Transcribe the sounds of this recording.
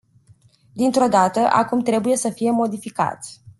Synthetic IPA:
d̪int̪ɾo̞d̪at̪əʔa̰kumt̪ɾe̞buje̞səfije̞mo̞d̪ifika̰t̪ʲ

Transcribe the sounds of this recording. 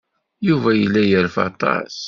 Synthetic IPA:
juvæjəlːæjəɾfɑ̰t̪ˤɑ̰s

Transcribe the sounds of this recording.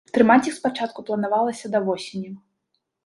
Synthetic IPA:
t̪ɾɨmat͡sʲixspat͡ʂat̪̚kuplˠɐnavalˠɐsʲɐd̪ɐvɔsʲenʲɐ

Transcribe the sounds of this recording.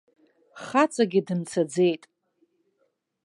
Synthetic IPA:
χat͡sʼaɡʲɪdɨmt͡sʰad͡ze̞jtʼ

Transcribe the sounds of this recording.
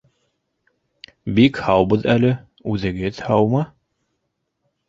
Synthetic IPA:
bikhɑwbɤðælɘ | ʉðɘ̆ɡɘðhɑwmɤ

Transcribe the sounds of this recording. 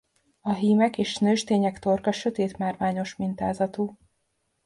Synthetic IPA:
ɒɦiːmɛkeːʃnøʒt̪eːɲɛkt̪o̞rkɒʃø̞t̪eːt̪maːrʋaːɲo̞ʃmint̪aːzɒt̪uː

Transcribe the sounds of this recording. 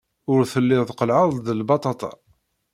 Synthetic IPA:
ʊɾθəlːɪðˤqəlʕəðˤd̪əlbɑt̪ˤɑt̪ˤɑ̰

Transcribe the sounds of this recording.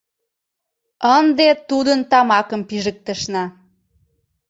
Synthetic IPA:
ənd̪et̪ud̪ənt̪ɑmɑkəmpiʒək̚t̪əʃnɑ

